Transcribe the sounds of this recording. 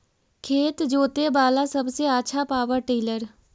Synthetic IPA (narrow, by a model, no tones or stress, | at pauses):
kʰeːt̪d͡ʒoːt̪ebaːlasɐbseətːʃʰapaːwəɾʈiːləɾ